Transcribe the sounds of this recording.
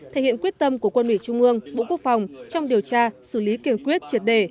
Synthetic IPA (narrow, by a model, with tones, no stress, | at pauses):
t̪ʰe˧˩hḭ˧˨əkwət̚t̪ə˧mku˧˩əkwə˧nmi˧˩t͡ɕʊ˧ŋ͡mʔɨ˧əŋɓo̰˧˨ku˦˥ək̚fa˨˩wŋ͡mt͡ɕɔ˧wŋ͡mɗi˨˩əwt͡ɕaː˧sɨ˧˩li˨˦ki˧˩nkwi˦˥ət̚t͡ɕi˧˨˩ət̚ɗe˧˩